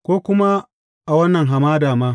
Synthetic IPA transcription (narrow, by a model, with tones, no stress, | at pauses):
kʷoː˦kʷʊ˦ma˦ | ʔa˨wɐ˦nːɐ˨ŋɦa˨maː˦daː˨maː˦